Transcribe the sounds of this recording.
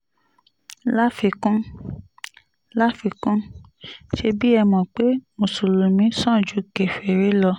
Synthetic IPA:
la˦fi˧kũ˦ | la˦fi˧kũ˦ | ʃe˧bi˦ɛ˧mɔ̃˨k͡pe˦mo˨su˨lu˨mĩ˨˦sã˦˨d͡ʒu˨˦ke˨fe˨ɾe˨˦lɔ˧

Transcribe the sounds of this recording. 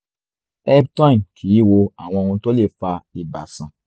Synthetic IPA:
ɛ˦btã˦˨kʰi˨˦wo˧a̰˨w̃ɔ̃˧o˧ũ˧to˦le˦˨fa˧i˨ba̰˨sã˨

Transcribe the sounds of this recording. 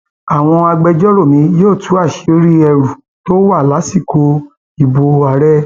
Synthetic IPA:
a˨w̃ɔ̃˧a˧ɡ͡bɛ˧d͡ʒɔ˦ɾo˦˨mĩ˧joː˦˨tu˨˦a˦˨ʃe˨˧˨o˦ɾi˦ɛ˧ɾu˨ | to˦wa˦˨la˨˦si˦˨ko˧ | i˨bo˧a˨ɾɛ˦

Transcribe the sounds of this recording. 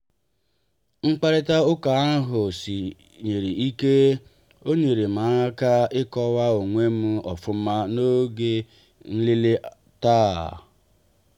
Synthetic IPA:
ŋ͡m̩˦k͡pa˦ɾɪ˦ta˦ʊ˦ka˨˦a˦ɦʊ˨si˨ | ɲe˨ɾi˨i˦ke˦ | o˦ɲe˨ɾe˨ma˨˦a˦ka˦ɪ˦kɔ˦wa˦o˨ŋʷe˦m̩˦ɔ̰˨fʊ˦m̩˦ma˦no˦ɡe˦ | n̩˦li˦le˦ | taː˦˨

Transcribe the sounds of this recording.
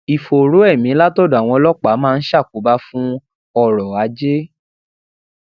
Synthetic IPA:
i˨fo˨ɾo˨˦ɛ˦˨mĩ˨˦la˦to˦da˨w̃ɔ̃˧lɔ˦k͡pa˨˦mãː˦˧n̩˦ʃa˦˨ko˨˦ba˦fũ˦ | ɔ˦˨ɾɔ˨a˨˦d͡ʒe˦

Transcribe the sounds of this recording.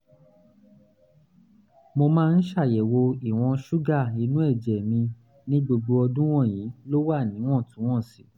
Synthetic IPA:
mo˧mãː˦˧n̩˦ʃa˦˨jɛ˨wo˧i˨w̃ɔ̃˧ʃu˦ɡa˦˨i˨˦nũ˦ɛ˦˨d͡ʒɛ˨mĩ˧ | nĩ˦ɡ͡bo˧ɡ͡bo˧ɔ˧dũ˦w̃ɔ̃˦˨jĩ˨˦lo˦wa˦˨nĩ˨˦w̃ɔ̃˦˨tũ˨˦w̃ɔ̃˦˨si˨˦

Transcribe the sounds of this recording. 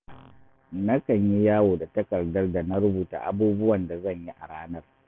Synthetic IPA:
nɐ˦kɐ˨ɲji˦jaː˦woː˨da˨tɐ˦kɐ˨rdɐ˦rda˨na˦ɾʊ˦buː˨ta̰ː˨ʔa˦buː˦bʊ˦wɐ˨nda˨zɐ˦˨ɲji˦ʔa˨ɽaː˦nɐ˦r

